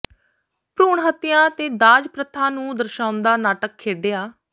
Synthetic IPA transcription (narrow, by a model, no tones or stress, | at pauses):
pɾuːɳɦət̪ːɪjãːt̪eːd̪aːd͡ʒpɾət̪ʰːãːnũːd̪əɾʃaːʊnd̪aːnaːʈəkʰːeːɖeːaː